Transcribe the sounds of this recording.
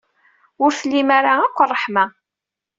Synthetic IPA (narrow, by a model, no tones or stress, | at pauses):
ʊɾθəlːimaɾaækʷːərˤːəħma